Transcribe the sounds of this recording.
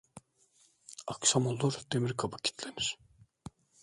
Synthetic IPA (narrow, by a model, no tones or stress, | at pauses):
akʃamolˠːuɾd̪emiɾkʰabacʰi̥t̪ʰlʲeniɾ̥